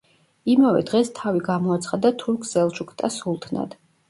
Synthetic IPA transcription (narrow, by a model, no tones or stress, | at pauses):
imavɛ̰d̪ʁɛst̪ʰaviɡamɔat̪sʰχad̪at̪ʰuɾkʰzɛlˠʃukʰt̪ʼasulˠt̪ʰna̰d̪̥